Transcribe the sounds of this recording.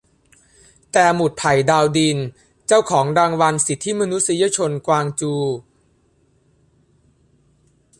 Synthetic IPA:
t̪ɛː˨˩mu˨˩t̪̚pʰa˨˩jdaː˧wdiː˧n | t͡ɕaː˥˩wkʰɔː˩˦ŋɾaː˧ŋwa˧nsi˨˩t̪ʰːi˦˥ma˧nu˦˥t̚si˧˦ja˦˧˥t͡ɕʰo˧nkwaː˧ŋt͡ɕuː˧

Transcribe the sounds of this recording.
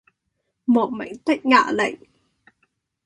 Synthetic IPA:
mo˨˩t̚ma̰˧˥jŋt̪a˦˥k̚ŋa̰ː˧˩˨lə̰˧˨ŋ

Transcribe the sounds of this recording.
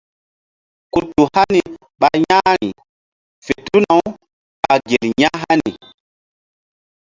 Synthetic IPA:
ku˨tːu˨ha˦ni˨ | ɓa˨ɲa˦ɾi˨ | fe˨tu˦na˨w | ɓa˨ɡe˨lɲa˦ɦa˦ni˨

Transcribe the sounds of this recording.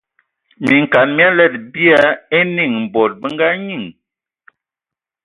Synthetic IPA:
mi˨ŋ˨ka˨nmi˦a˦lɛ˦˨t̚bi˦a˦e˦ni˦˨ŋm̩˨bɔ˨t̚bə˦ŋ˦ɡa˦ɲi˦˨ŋ

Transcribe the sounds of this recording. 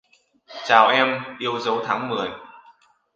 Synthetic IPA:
t͡ɕaː˨˩wʔɛ˧mʔi˧əwzə˨˦wt̪ʰaː˨˦ŋmɨ˨˩əj

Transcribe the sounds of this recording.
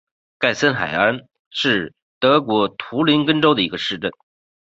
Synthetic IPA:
ka˥˩ɪsə˥nxa̰˨˩ɪə˧˥ | ʂɻ̩˥˩ | t̪ɤ˧˥kwɔ˧˥t̪ʰu˧˥li˧˥nkə˥nʈ͡ʂo˥ʊd̪ə˨i˧˥ɡə˧ʂɻ̩˥˧ʈ͡ʂə˥˩n

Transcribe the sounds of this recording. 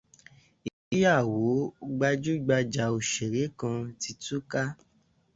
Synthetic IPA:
i˨i˨˦ja˦˨wo˨˦ɡ͡ba˧d͡ʒu˦ɡ͡ba˧d͡ʒa˨o˨ʃe˨ɾe˨˦kã˧ti˧tu˦ka˦

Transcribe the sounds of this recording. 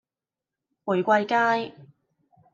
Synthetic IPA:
wʊ˨˩jkʷɐ˧jkaː˥j

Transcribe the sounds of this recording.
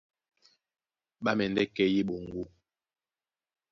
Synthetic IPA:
ɓa˦mɛ˨ndɛ˦kɛ˦ji˦ɓo˨ŋ˨ɡu˦

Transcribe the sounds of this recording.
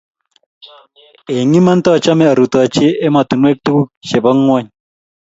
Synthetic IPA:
e˨ŋi˦ma˦nt̪a˦˨t͡ʃa˦me˦˨a˨ɾu˨t̪a˨t͡ʃeː˦ma˨t̪u˨nwe˦k̚t̪u˦ku˦ʃe˨ba˦ŋːwa˦ɲ

